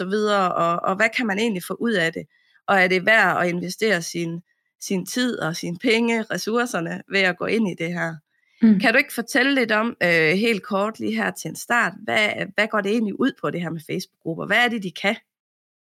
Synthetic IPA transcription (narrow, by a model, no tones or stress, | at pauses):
ɒ̽ʋið̞ˠɐʔɒ̽ɒʋækʰæmæne̝̰ːnlifɔ̰ːʔuð̰ˠæd̥e̝ | ʔɒ̽æɐɾe̝ʋæɐ̰ɒ̽e̝nʋesd̥e̝̰ːɐsin | sint͡sʰið̰ˠɒ̽sinpʰeŋəʁɛsuɐsɐnəʋe̝æɡ̥ɔ̰̽ːe̝n̰id̥e̝ɦæɐ̰ | kʰæɾ̥ue̝ɡ̥əfɒ̽t͡sʰeləle̝d̥ɒ̽m̰øɦe̝̰ːld̥̚kʰɒːd̥lḭːɦæɐ̰t͡sʰe̝ensd̥ɑ̰̈ːd̥ʋæʋæɡ̥ɒ̰ːd̥e̝e̝̰ːnliʔuð̞̰ˠpʰɒ̽ɾ̥e̝ɦæɐ̰mefeɪsb̥u̥ɡ̥ʁub̥ɐʋææɐɾ̥e̝d̥ikʰæ